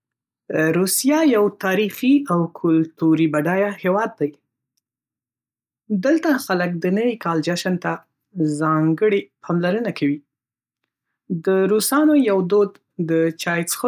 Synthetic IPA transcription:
ɾusijɑjawt̪ɑɾixiawkʰʊlt̪uɾibaɖɑjahewɑd̪ːaj | d̪əlt̪axalək̚d̪ənəwikɑld͡ʒaʃant̪a | zɑŋɡəɽepʰɑmlaɾənakʰawi | d̪əɾusɑnojawd̪od̪ | d̪ət͡ʃɑjsx

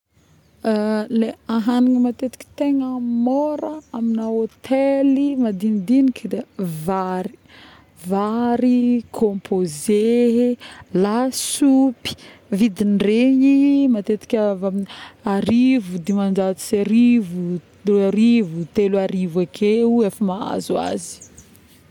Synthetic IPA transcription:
leaɦaniŋəmat̪et̪i̥kʲi̥t̪eŋəmoɾəaminaot̪ʰelimad̪inid̪inikd̪evaɾi̥ | vaɾikʰõmpʰoze | lasupi̥vid̪inɖ͡ʐeɲimat̪et̪i̥kʲaaminaɾivud̪emand͡ʒat̪i̥seɾivu | aɾivut̪eluaɾivakʰeuefəmaa̰zua̰zi̥

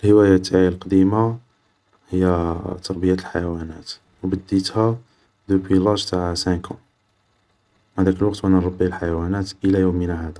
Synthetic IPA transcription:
lhəwæjat̪ʰːaʕilqɑd̪ima | həjːæt̪ːɑɾbijat̪əlħajæwænæt̪ | wbəd̪ːit̪hæ | d̪ubilɑʒt̪aʕsæ̃kũ | maʕd̪ækəlwɑqt̪wænæɾˤɑbːilħajæwænæt̪ʔəlæjumːənæhæd̪æ

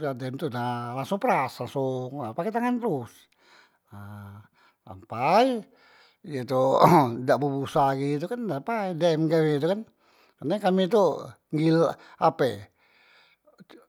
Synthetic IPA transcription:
adɛmt̪unalaŋsuŋpəɾaslaŋsʊŋapaket̪aŋant̪ɾus | a | sa̰mpaji | ijet̪udaʔbəbusaɡit̪̬ukandapaidɛmɡawɛit̪̬ukan | karnakamit̪u | ŋɡilapɛ̰

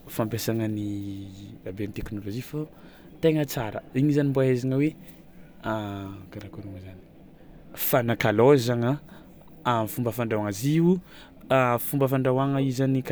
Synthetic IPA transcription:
fampesaŋəni | vabeamit̪eknolod͡ʒifa | t̪eŋət͡saɾə̰iɲizanimboaezaŋəwe | akaɾakuɾuməzani̥ | fanakalozaŋə | amifumbəfaɳɖ͡ʐawaŋaziu | fumbəfaɳɖ͡ʐawaŋəizanik

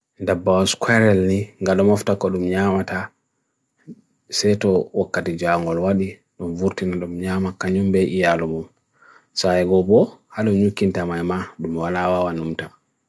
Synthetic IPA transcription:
ndabːawɔskwɛɾɛlniŋɡaɗɔmɔftakːɔɗumɲaːmata | sɛjtɔwɔkːatid͡ʒaŋɡɔlwaɗi | ɗumvuɾtinaɗumɲaːmakaɲumbɛʔijalɔmum | saɛɡɔbɔhaɗɔɲukːintamajmaɗumwalawawanumta

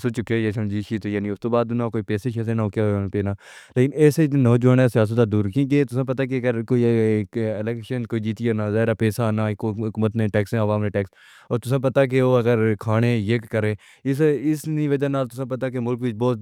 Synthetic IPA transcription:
sot͡ʃʊkːejesəmd͡ʒiːʃiːt̪ojaːnĩʊst̪oːbaːd̪nãkoːiːpɛːseʃeːsẽnaokapeːnaː | leːkɪnɛːsenoːd͡ʒoːnesɪjaːs̬ət̪ad̪uːɾkĩɡeːt̪ʊsãːp̬ɐt̪aːk̬eɐɡəɾkoːikɪlɛːkʃənkoːiːd͡ʒiːt̪ijaːnãːzaːɪɾaːpɛːsanaːkɦʊkuːmət̪nẽːʈɛːksẽːəʋaːmneːʈɛːks | ɔːɾt̪ʊsãːp̬ɐt̪aːk̬eoːɐɡəɾkʰaːnẽːjeːkːəɾẽː | ɪsɪsniʋəd͡ʒaːnaːlt̪ʊsãːp̬ɐt̪akemʊlkʋɪt͡ʃbɔːt̪

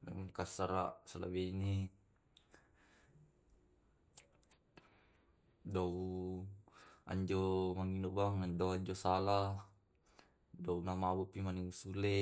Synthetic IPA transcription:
lamukasaɾaʔsala̰bɛini | dau | a̰ɲd͡ʒɔmaŋinɔʔbaŋandoaɲd͡ʒosalah | dounamabupimaniusulɛ

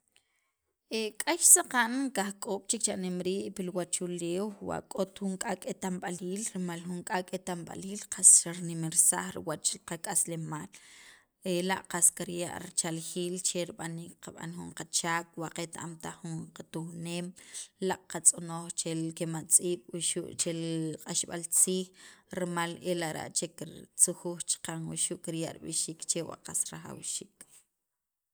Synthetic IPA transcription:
ekʼaʃsaqanŋkaχkʼoːɓ̥t͡ʃekt͡ʃaʔnemɾiːʔpilwat͡ʃuleːwwa̰ʔkʼot̪xuŋkʼakʼet̪amɓaliːlɾimalxuŋkʼakʼet̪amɓa̰liːlqasɾaɾnimiɾsa̰χɾḭwat͡ʃqakʼaslemaːl | elaʔqaskaɾja̰ʔɾit͡ʃalχiːlt͡ʃeɾiɓaniːk̚qaɓa̰nxuɴqat͡ʃaːk̚waʔqet̪aʔamt̪aχːuŋqat̪uxneːmlaʔqat͡sʼonoːχt͡ʃekemat͡sʼiːɓ̥wuʃuʔt͡ʃeqʼaʃɓalt͡siːxɾmalelaʔɾa̰ʔt͡ʃekiɾt͡suxuːχt͡ʃqaŋwṵʃuʔkiɾjaʔɾiɓiʃiːkt͡ʃewa̰ʔqasɾaχa̰wʃiːk

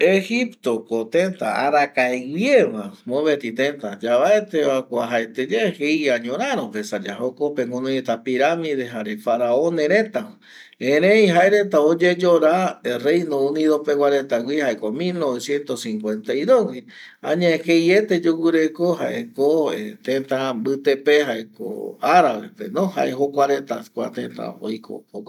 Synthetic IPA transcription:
ehipt̪okot̪ent̪a̰aɾakaewjeβamõβet̪it̪ent̪ad͡ʒaβaet̪eβakʷaɦaet̪ed͡ʒehejaɲõɾaɾopesad͡ʒaɦokopeŋɡonõjet̪apiɾamiðeɦaɾefaɾaõneɾet̪a | ẽɾẽjɦaeɾet̪aod͡ʒed͡ʒoɾarejnõũniðopewʷaɾet̪awʷihaekomilnoβesjent̪osĩŋkʷent̪ajðowi | aɲaehejet̪ed͡ʒuwɨɾekoɦa̰ʔekoet̪ẽnt̪ambɨt̪epeɦaeko̰aɾaβḛpḛnõha̰ʔeɦokʷaɾet̪akʷa̰t̪ẽnt̪a̰o̰jkʰo̰o

